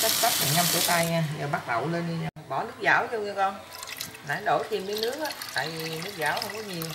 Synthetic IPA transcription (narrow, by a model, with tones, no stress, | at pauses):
t͡ɕə˦˥k̚sa˦˥t̚va̰˧˨˩ŋa˧mkɨ̰˧˦ət̪aː˧jɲaː˧zəː˨˩ɓaː˦˥k̚lə̰˧˨wle˧nɗi˧ɲa˧˩ɓɔ˧˩nɨ˦˥ək̚za̰ː˧˩˦wzə˧wɲɨ˧kɔ˧n | naː˨˦ɗo˧˩jt̪ʰi˨˧mkəː˨˦jnɨ˦˥ək̚ʔaː˦t̪a̰ː˧˨jvi˨˩nɨ˦˥ək̚zaː˧˩˦whə˧wŋ͡mkɔ˨˦ɲi˨˩w